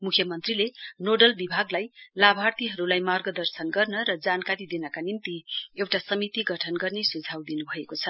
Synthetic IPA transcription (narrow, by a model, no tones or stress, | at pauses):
mukʰjʌmʌnt̪rilenoɖʌlbibʱaɡlajlabʱart̪iɦʌɾulajmarɡʌd̪ʌrsʌnɡʌrnʌɾʌd͡zankaɾid̪enʌkanint̪iewʈasʌmit̪iɡʌʈʰʌnɡʌrnesud͡zʱawd̪inubʱʌekot͡sʰʌ